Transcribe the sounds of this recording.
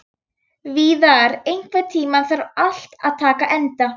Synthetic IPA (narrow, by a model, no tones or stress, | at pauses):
viðaɾejŋ̥kvat̪ʰiːmanθaɾal̥t̪a̰ðt̪ʰaːkaʔɛnt̪a